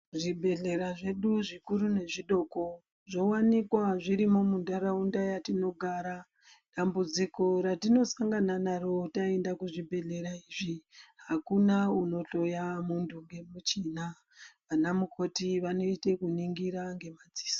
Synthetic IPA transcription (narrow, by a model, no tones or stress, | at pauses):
ʐibʱe̞ɮe̞ɾaʐe̞ɗuʐikuɾune̞ʐiɗo̞ko̞ | ʐo̞wanikwaʐiɾimo̞mundaɾaundajatino̞ɡʱaɾa | ɗambud͡ziko̞ɾatino̞saŋɡananarotae̞ndakuʐibʱe̞ɮe̞ɾaiʐiɦakunauno̞to̞jamuntʰuŋɡe̞mut͡ʃina | ʋanamukʰo̞tiʋano̞ite̞kuniŋɡiɾaŋɡe̞mad͡zi̥ːsḁ